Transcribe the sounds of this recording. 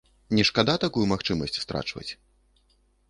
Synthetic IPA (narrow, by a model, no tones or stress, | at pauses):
nʲɛʂkad̪at̪akujumaxt͡ʂɨmɐsʲt͡sʲst̪ɾa̰t͡ʂvɐ̰t͡sʲ